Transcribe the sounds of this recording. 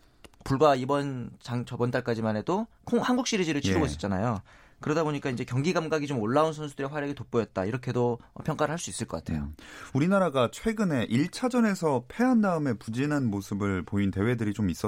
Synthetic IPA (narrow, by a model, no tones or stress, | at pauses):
puɭɡwaibʌnt͡ɕaŋt͡ɕʌbʌnt͈aɭk͈ad͡ʑimane̞do | kʰoŋhanɡuk̚ɕ͈iɾid͡ʑiɾɯɭt͡ɕʰiɾoɡois͈ʌ̥t͡ɕ͈anajo | kɯɾʌdaboɲik͈aind͡ʑe̞kjʌŋɡiɡamɡaɡit͡ɕomoɭːaunsʰʌnsʰudɯɾeɸwaɾjʌɡetop͈ojʌt̚t͈aiɾʌkʰe̞doʌ̰pʰjʌŋk͈aɾɯɭhaɭs͈uis͈ɯɭk͈ʌk͈atʰe̞jo̰uɾinaɾaɡat͡ɕʰwe̞ɡɯne̞ʔiɭt͡ɕʰad͡ʑʌne̞sʰʌpʰe̞andaɯme̞pud͡ʑinɦanmosʰɯbɯɭpointe̞we̞dɯɾit͡ɕomis͈ʌ